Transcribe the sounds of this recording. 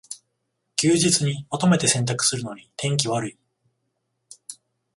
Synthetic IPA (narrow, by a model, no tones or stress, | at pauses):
kʲɨːʑit͡sɨɲ̟imat̪o̞me̞t̪e̞sẽ̞nt̪akɯ̟̥sɨɾɯ̟no̞ɲ̟it̪ʰẽ̞ŋk̬ʲiβ̞aɾɯ̟i